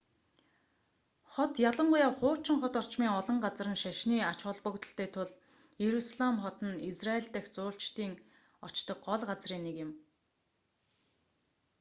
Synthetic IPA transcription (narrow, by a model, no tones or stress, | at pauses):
χɔt̪jaɮə̆ɴɢʊjaːwχʊːt͡ɕɪ̆ŋχɔt̪ɔr̥t͡ɕmiːŋɔɮɞ̆ɴɢat͡s̆rə̆nʃaʃniːat͡ɕχɔɮpɵ̆kt̪ə̆ɬt̪ʰeːt̪ʰʊɮ | jeɾusaɮamχɔt̪ə̆nisraeɮt̪æ̆xt͡sʊːɬt͡ɕt̪iːŋ | ɔt͡ɕt̪ɞ̆k̚ɢɔɮɢat͡sriːnːekɪ̆m